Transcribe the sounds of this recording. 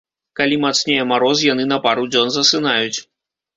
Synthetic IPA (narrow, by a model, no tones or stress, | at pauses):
kalʲimat̪snʲejɛmaɾɔs̬jan̪ɨnɐpaɾud͡zʲɔnzɐsɨnajut͡sʲ